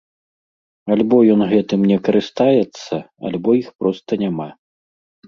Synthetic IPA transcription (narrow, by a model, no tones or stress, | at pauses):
alʲbɔjɔnɣɛt̪ɨmnʲɛkɐɾʔɨst̪ajɛt̪sːɐ | a̰lʲbɔjixpɾɔst̪ɐnʲama